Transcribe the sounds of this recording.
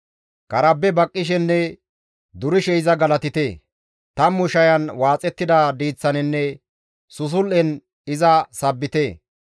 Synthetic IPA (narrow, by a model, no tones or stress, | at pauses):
kɐɾɐbːɛbɐkʼːɪʃ̬ɛnːɛ | d̪ʊɾɪʃɛɪzɐɡɐlɐt̪ɪt̪eː | t̪ɐmːʊʃɐjɐnwaːt͡sʼɛt̪ːɪd̪ɐd̪iːt͡sːɐnɪnːɛ | sʊs̬ʊlʔɛn | ɪzɐsɐbːɪt̪eː